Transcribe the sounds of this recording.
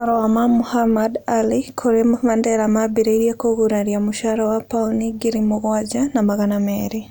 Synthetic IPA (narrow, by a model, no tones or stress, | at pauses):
aɾɔwamamuhamadalikʰoɾemamandɛɾamabiɾeiɾjakoɣuɾaɾjamuʃaɾawapauniɡiɾimuɣwaɟanamaɣanameɾi